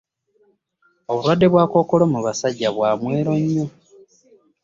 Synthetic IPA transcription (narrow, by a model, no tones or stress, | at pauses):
o̞βuɾwadːe̞βwaːko̞ːko̞lo̞muβasaɟːaβwaːmwe̞ːɾo̞ɲːo